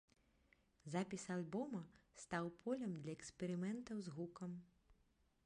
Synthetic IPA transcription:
zapʲisalʲbɔmɐst̪awpʰɔlʲɐmd̪lʲɐɛkspʲɛɾɨmɛnt̪ɐwzɣukɐm

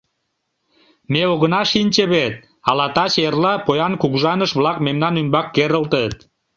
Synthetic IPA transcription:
meoɣənɑʃinʲt͡ɕeβet̪̚ | ɑlɑt̪ɑʃerlɑpojɑnkuɣʒɑnəʃβlɑkmemnɑnymbɑkːeɾəlt̪ət̪

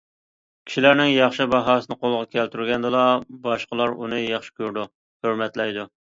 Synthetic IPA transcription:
kʲʰi̥ʃilæɾnɪŋjɑχʃɪbɑɦɑːsɨnɨqolˠəʁɑkʲʰælt̪yɾɡʲɛnd̪ɨlɑbɑʃqəlˠɑɾṵnɨjɑχʃɪ̥kʲʰøɾd̪u | høɾmɛt̪lɛjd̪u

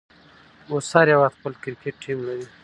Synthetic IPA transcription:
osaɾjawat̪pəlkɪɾkeʈːimlaɾi

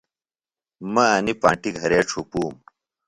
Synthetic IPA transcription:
mɐɐnipãːɳʈiɡʱɐɾeːʈ͡ʂʰupuːm

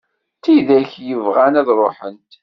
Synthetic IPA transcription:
θiðæçjəvʁænæðɾˤoħənt̪

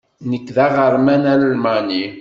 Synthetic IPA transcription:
nəkːðaʁəɾmænæɾælmani

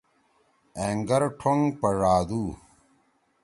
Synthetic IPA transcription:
eːŋɡɐɾʈʰoŋpɐɻaːd̪uː

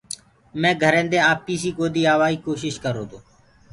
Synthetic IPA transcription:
mɛ̃ːɡʱəɾẽːd̪eːaːpiːsiːkoːd̪iːaːʋaːiːkoːʃɪʃkəɾoːt̪oː

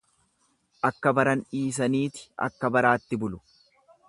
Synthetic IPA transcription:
ʔɐkːɐbɐɾɐnᶑiːs̬ɐniːt̪ɪ̥ɐ̰kːɐbɐɾaːt̪ːɪbʊlʊ̥

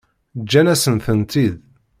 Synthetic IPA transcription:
d͡ʒːænæsənθənt̪ið

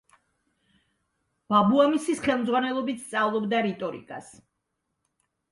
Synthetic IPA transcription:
b̥abuamisisχɛlˠmd̪zʁwanɛlˠɔbit̪ʰst̪sʼavlˠɔbd̪aɾit̪ʼɔɾḭkʼas

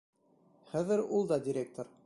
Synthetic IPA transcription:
χæðɘɾulˠd̪ɑdʲɪɾʲek̚t̪oɾ

